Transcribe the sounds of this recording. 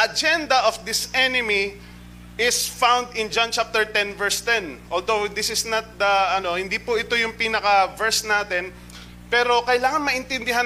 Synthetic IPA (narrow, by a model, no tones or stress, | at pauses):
ʔɐd͡ʒɛnd̪ɐʔɔfd̪ɪsʔɛnɪmi | ʔɪsfãwnd̪ɪ̃nd͡ʒant͡ʃap̚t̪ɛɹt̪ɛ̃nvɛɹst̪ɛ̃nʔold̪owd̪ɪsɪsnɐt̪̚d̪ɐɐno̞hɪnd̪ipʊʔɪt̪o̞jʊŋpiːnɐkɐvɛɹsnaːt̪ɛn | pɛːɾo̞kɐjlaːŋɐnmɐʔɪnt̪ɪnd̪ɪɦa